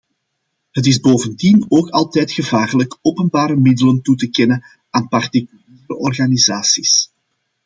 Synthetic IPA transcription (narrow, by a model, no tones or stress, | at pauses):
ɦət̬ɪzboːvəndinoːkɑlˠtɛjtxəvaːrələkoːpənbaːɾəmɪdələntutəkɛnən | aːnpɑrtikyliːɾəʔɔrɣanizaːsis